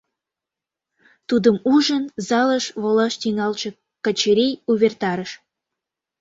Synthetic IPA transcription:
t̪ud̪əmuʒənzɑləʃβolɑʃt̪iŋɑlt͡ɕə̆ | kət͡ɕeɾijuβert̪ɑɾəʃ

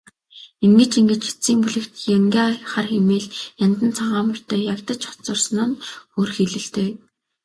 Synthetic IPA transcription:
eŋɡɘ̆t͡ɕiŋɡɘ̆t͡ɕxe̥t͡siːŋpuɮɘ̆kt̪jaŋɡʲaːχarxemeːɮjant̪ə̆nt͡sʰaʁaːmʊ̆r̥t̪œːjakt̪ə̆t͡ɕɔ̥t͡sɞ̆rsnə̆nxoːrxeɮɘ̆ɬt̪eː

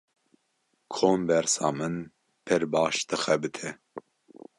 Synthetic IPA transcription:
kʰoːmbɛɾsɑːmɨn | pʰɛɾbɑːʃd̪ɨxɛbɨt̪ʰɛ

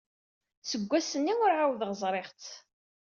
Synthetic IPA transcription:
səɡʷːæsənːiwʊɾʕawðʁəzˤɾˤeʁt͡s

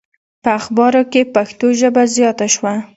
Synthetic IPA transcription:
pəaxbɑɾokepaxt̪oʒəbazjɑt̪aʃwa

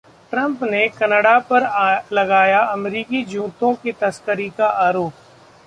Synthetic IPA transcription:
ʈɾɐ̃mpnekɐnəɽapɐɾlɐɡaːjaɐmɾiːkid͡ʒũːt̪õkit̪ɐskəɾikaʔaːɾoːp̚

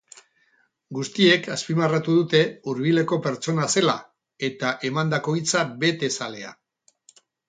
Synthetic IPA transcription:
ɡust̪ie̞kaspimarat̪uðut̪e̞uɾβ̞ile̞ko̞peɾt͡ʃo̞nase̞la | e̞t̪aʔe̞mand̪ako̞it͡sabe̞t̪e̞sale̞a̰

